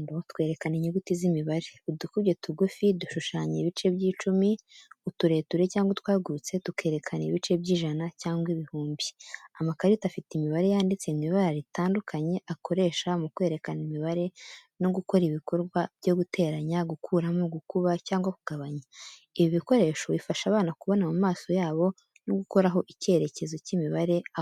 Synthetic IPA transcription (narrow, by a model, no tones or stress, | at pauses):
dotwe̞ːɾe̞kaniɲeɡutizimiβaɾe̞udukubɟe̞tuɡufiduʃuʃaːɲeβit͡ʃe̞bɟiːt͡ʃumiutuɾe̞ːtuɾe̞caːŋɡwotwaːɡuɾut͡se̞tuke̞ːɾe̞kʰaneβit͡ʃe̞bɟiːʒanacaːŋɡwiβihuːmbiamakaɾitafitimiβaɾe̞jaːndit͡semiβaɾaɾitaːndukʰaɲe̞ʔako̞ɾe̞ːʃamukwe̞ːɾe̞kanimiβaɾe̞ | noɡuko̞ɾiβiko̞ɾɡwabɟo̞ɡutʰe̞ːɾaɲaɡukʰuːɾamoɡukuβacaːŋɡwakuɡaβaɲa | iβiβiko̞ɾe̞ʃo̞βifaʃaːβaːnakuβo̞namumaːso̞jaːβo̞ | noɡuko̞ɾaɦo̞ʔice̞ɾe̞ce̞zo̞cimiβaɾe̞